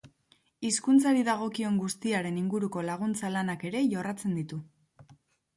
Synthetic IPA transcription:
iskunt͡saɾiðaɣ̞o̞kio̞ŋɡust̪iaɾe̞niŋɡuɾuko̞laɣ̞unt͡salanake̞ɾe̞ʝo̞rat͡se̞nd̪it̪u

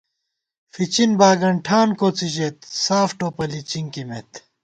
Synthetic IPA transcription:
fit͡ɕinbaːɡɐɳʈʰaːnkoːt͡siʑet̪̚saːfʈoːpɐlit͡ɕiŋkimet̪

